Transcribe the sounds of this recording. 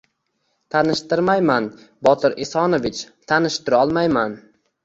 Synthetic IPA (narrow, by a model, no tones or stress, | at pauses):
t̪ʰanɪʃt̪ɪɾmajman | bɒt̪ʰɪɾesɒnovɪt͡ʃt̪ʰanɪʃt̪ɪɾɒlˠmajman